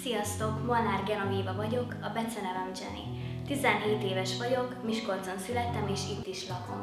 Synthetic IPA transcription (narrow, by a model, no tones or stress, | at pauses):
sijɒst̪o̞kmonaːrɡɛnoviːvɒvɒɟo̞kɒbɛt̪sɛnɛvɛnd͡ʒɛ̰nḭ | t̪izɛnɦeːt̪eːvɛʃʋɒɟo̞kmiʃko̞lt̪zo̞nsylɛt̪ːɛmeːʃit̪ːiʃlɒko̞̰m